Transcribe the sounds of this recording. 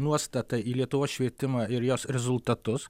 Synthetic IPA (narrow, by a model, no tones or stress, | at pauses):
nuɔstt̪ɐt̪ɐiːlʲiɛt̪ʊʋoːsʃʲʋʲiɛt̪ʲɪmɐɪɾjoːsɾʲɛzʊlˠt̪ɐt̪ʊs